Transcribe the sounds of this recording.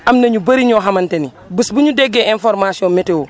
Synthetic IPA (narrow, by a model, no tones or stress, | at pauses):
ʔamnɐɲubɐɾiɲoɦamɐnteni | busbuɲudeɡːeẽnfoɾmasiɔ̃metewo